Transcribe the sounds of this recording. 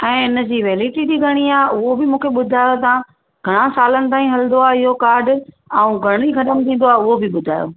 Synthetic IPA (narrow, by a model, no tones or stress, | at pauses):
ɛ̃ːɪnə̆d͡ʑiʋeːliːʈid͡ʑiːɡʱɐɽ̃iaːʊɦobɪmũːkʰeɓʊd̪ʱaːjot̪̬ã | ɡʱɐɽ̃ãsaːlənɪ̆t̪̬aːĩɦɐlɪnd̪oaːɪɦokaːɾɖ | aũɡʱɐɽ̃ixɐt̪əmt̪ʰĩːn̆d̪oaːʊɦobɪɓʊd̪ʱa̰ːjo̰